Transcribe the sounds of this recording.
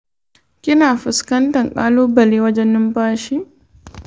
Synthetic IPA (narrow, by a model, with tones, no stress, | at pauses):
kʲɪ˦naː˨ɸɪ˨skɐ˦ntɐ˨ŋkʼaː˦loː˦bɐ˨leː˦wɐ˦d͡ʒɛ˦nːɪ˦mpaː˦ʃi˦